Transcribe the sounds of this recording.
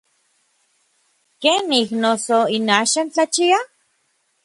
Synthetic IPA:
keniknosoinaːʃant͡ɬat͡ʃia

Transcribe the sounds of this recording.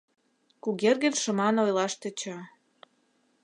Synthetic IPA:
kuɣerɣə̆nʃə̆mɑnojlɑʃt̪ĕt͡ɕɑ

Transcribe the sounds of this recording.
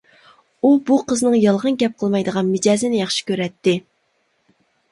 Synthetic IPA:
ubuqʰəznɨŋjɑlˠʁənɡʲɛp̚qʰəlˠmɑjd̪əʁɑnmɪd͡ʒɑːzɪnɪjɑχʃi̥kʲøɾɛt̪ːɪ

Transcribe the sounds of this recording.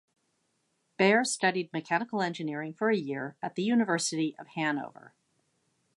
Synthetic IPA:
b̥ɛɹstʌɾid̚mɨkʰænəkl̩ˠɛ̃nd͡ʒɨnɪɹɪ̃ŋfə˞ɨjɪɹɨt̪̚ðɨjʉnɨvɜ˞sɨɾiʔʌv̥hæ̃no̰ʊvə̰˞

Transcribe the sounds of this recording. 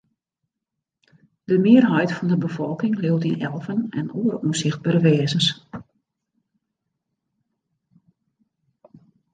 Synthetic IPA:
d̥əmɪərɦɛjtfɔndəbəfɔlˠkɪŋlɪwtinɛlˠvənɛ̰noːəɾuəsɪxt̚baɾəʋɛːzəns

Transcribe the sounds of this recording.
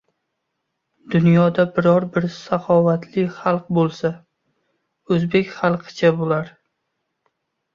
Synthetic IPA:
d̪ʊnjɒd̪abɪɾɒɾbɪɾsaχɒvat̪ʰlɪχalˠq̚bolˠsa | ɵzbe̞kʲχɑlˠqʰɨ̥t͡ʃʰabolaɾ

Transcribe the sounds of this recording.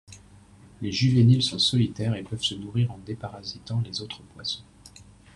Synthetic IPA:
leʒyvenilsɔ̃sɔlit̪ɛʁepœv̥sənuʁiʁɑ̃d̪epaʁazit̪ɑ̃lezot̪χəpwasɔ̃

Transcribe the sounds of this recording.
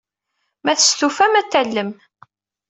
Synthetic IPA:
mæθə̥st̪ufæmæt̪ːælːəm

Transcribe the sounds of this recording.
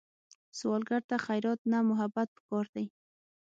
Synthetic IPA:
sʊwɑlɡaɾt̪aχajɾɔt̪̚namʊɦabat̪̚pə̥kɔɾd̪aj

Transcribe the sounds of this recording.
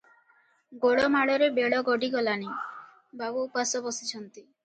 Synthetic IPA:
ɡoɽɔmaɽɔɾebeɽɔɡɔɖiɡɔlani | babuːpasɔbɔsit͡ɕʰɔnt̪i

